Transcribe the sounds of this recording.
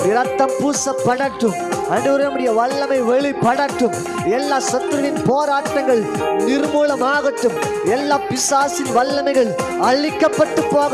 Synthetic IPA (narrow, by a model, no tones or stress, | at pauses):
nɪɾɐt̪ːɐmpuːsɐpːɐɽɐʈːɯmɐnɯɾɐmɯɽɐjɐʋɐɭːɐmɐɪʋɛɭipːɐɽɐʈːɯm | ɛlːaːsɐt̪ːɾɯʋɪnpoːɾaːʈːɐŋɡɐɭ | nɪɾmuːlɐmaːɣɐʈːɯm | ɛlːaːpɪsaːsɪnʋɐlːɐnɐɪɣɐɭ | ɐɭɪkːɐpːɐʈːɯpːoːɣ